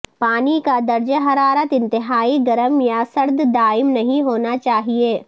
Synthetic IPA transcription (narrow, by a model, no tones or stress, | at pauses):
paːnikad̪ɐɾd͡ʒəɦɐɾaːɾət̪ɪ̃nt̪ɪɦaːiɡɐɾəmjasɐɾd̪d̪aːɪmnɐɦĩɦoːnat͡ʃaːɦieː